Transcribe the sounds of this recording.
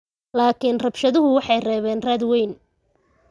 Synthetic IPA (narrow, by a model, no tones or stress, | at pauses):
laːkʰinrɐbʃɐðʊɦʊwɑħɑjrɛːβɛːnraːd̪wɛjn